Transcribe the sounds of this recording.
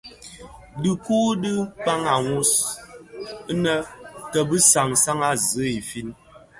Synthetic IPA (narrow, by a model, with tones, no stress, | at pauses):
dɨ˨ku˦dɨ˦k͡pa˦ŋa˨ŋu˦s | nə˦tə˨bɨ˦sa˨ŋsa˦ŋa˦zɨ˨˦i˨fi˦n